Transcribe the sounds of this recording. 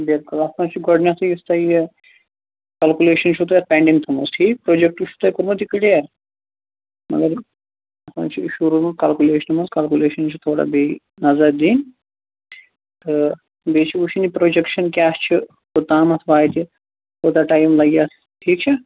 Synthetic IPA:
beɾkulɐsãːt͡ʃʰiɡɔɖnʲasɐjist̪ae | kɐlkuleːʃɐnʃʰut̪ujɐɾpʲeːɳɖiŋɡt̪ʰɐmusʈʰiːkpɾoːd͡ʒek̚ʈuʃʰut̪ɐːjkuɾmut̪ikiɽeaɾ | mɐ̰ɡɐɾ | ɐsã̰ːnt͡ʃʰḭʃuɾumɐkɐlkʲuleːʃɐnmɐskɐlkʲuleːʃɐnt͡ʃʰit̪ʰoːɽa̰ːbe | nɐzɐɾd̪iːn | t̪ɨ | beːt͡ʃʰiuʃʰinipɾoːd͡ʒekʃɐnkʲaːst͡ʃʰi | kut̪ãːmɐsʰʋaːjt̪i | hoːt̪aʈaːjmlɐɡjaːs | ʈʰiːk̚t͡ʃʰi

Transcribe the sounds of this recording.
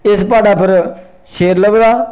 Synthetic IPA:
ɪspaːɖaːpʰəɾ | ʃeːɾləʋdaː

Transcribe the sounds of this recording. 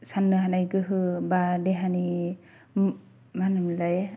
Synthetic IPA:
sanːɯɦanajɡɯɦɯbadeɦani | manɯmlaj

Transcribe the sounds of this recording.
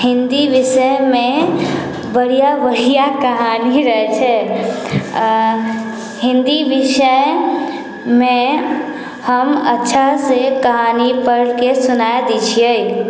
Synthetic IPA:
hind̪ibisəme | bəɽijabəɾijakəɦaniɾəɦt͡ʃʰɛ | ɦind̪ibisə | me | həmətːʃʰasekəɦanipəɾlkesunaed̪it͡ʃʰijəj

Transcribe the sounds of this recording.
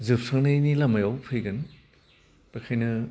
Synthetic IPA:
zɯp̚saŋnɐnilɐmajawpʰɯjɡɯn | pakʰajnɐ

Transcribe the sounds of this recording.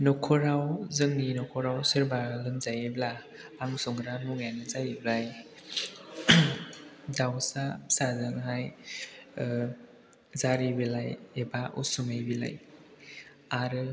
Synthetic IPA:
nɔkʰɔɾawzɯŋninɔkʰɔɾawsɯɾbalɯmzajiblaː | ŋsɔŋɾanuŋjanɯzajiblaj | dawsasazɯŋɦaj | zaɾibilajebaʔṵsuŋajbila̰j | aɾɯ

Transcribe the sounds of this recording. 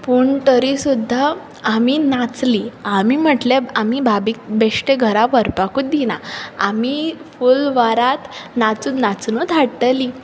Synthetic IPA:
puːɳt̪əɾisud̪ʱːaː | minat͡sliamim̤əʈlaamibʱabiːk̚beʂʈeɡʱəɾaʋəɾpakuːt̪̚d̪ina̰a̰mifulʋaɾat̪nat͡sut̪nat͡snut̪aɽʈ̪əli

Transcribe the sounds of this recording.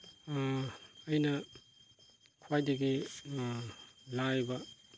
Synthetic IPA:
jnɐ | kʰwajdɐɡi | lajbɐ

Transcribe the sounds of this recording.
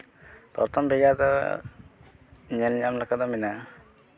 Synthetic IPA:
t̪ɔ̰ɾt̪ʰɔmbɛɡad̪ɔ̰ | ɲɛlɲamlakad̪ɔmina

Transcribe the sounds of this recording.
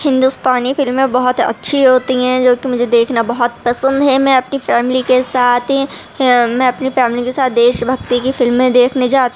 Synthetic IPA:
hɪ̃nd̪ust̪aːnifɪlmẽbɐɦʊt̪ɐ̰tːʃʰiɦoːt̪iɦɛ̃d͡ʒoːkimʊd͡ʒʱed̪eːkʰnabɐɦɔt̪̚pɐsə̃nd̪ɦɛmɛ̃ɐpnifɛːmɪlikesaːt̪ʰi | mɛ̃ɐpnifɛːmɪlikesaːt̪̚ʰd̪eːʃbʱɐɡt̪ikifɪlmːẽd̪eːkʰned͡ʒaːt̪

